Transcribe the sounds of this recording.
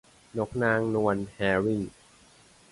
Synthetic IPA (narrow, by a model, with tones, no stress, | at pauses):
no˦˥k̚naː˧ŋnu˧ənhɛː˧ɾi˥˩n